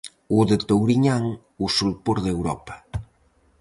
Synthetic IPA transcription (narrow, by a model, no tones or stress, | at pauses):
uðet̪owɾiɲaŋ | usulpoɾðewɾɔpḁ